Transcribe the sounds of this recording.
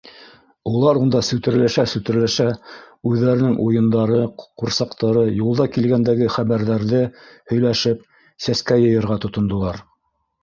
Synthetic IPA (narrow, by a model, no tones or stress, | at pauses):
ulˠɑɾund̪ɑsʉt̪ɘ̆ɾlæʃæsʉt̪ɘ̆ɾlæʃæ | ʉðːæɾɘ̆nɘŋʔujɤ̆nd̪ɑɾɤquɾsɑqt̪ɑɾɤjulˠd̪ɑkilɡænd̪æɡɘχæβæɾðæɾðɘhɵ̆jlæʃɘp̚ | sæskæjɤ̆jɤ̆ɾʁɑt̪ŏt̪ŏnd̪ŏlˠɑɾ